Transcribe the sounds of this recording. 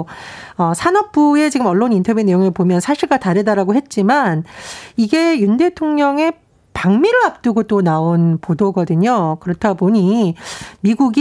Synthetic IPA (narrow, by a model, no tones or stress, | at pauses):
ʌsʰanʌp̚p͈ue̞t͡ɕiɡɯmʌɭːonintʰʌbjune̞joŋepomjʌnsʰaɕʰiɭɡataɾedaɾaɡoɦe̞t̚t͡ɕ͈imaniɡe̞junde̞tʰoŋɲʌŋe̞ | paŋmiɾɯɭap̚t͈ɯɡot͈onaonpodoɡʌdɯɲokɯɾʌtʰaboɲi | miɡuɡi